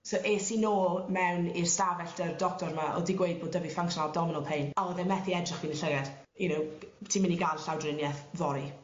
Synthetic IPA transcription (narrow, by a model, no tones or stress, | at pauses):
sowʔeːsinoːlˠmɛwnirstavɛɬdərdɔk̚tɔɾmaʔɔ̰diɡwejd̚boːdəvifaŋksɔnalˠdɔmɪnɔlˠpʰejnaɔðɛmɛθiɛdrɪχviːnəɬəɣɛd̥ | junowtʰiːmɪniɡanɬawdrɪnjɛθvɔɾi